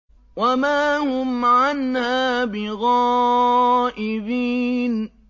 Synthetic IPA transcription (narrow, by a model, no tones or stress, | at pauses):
wamaːhʊmʕanhaːbɪɣɑː | ʔɪbiːn